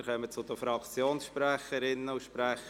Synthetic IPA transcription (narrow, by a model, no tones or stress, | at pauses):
χœmət͡sʊd̪əfɾɑkt͡sjoːnsʃpræχəɾɪnːəʊʃpɾæχə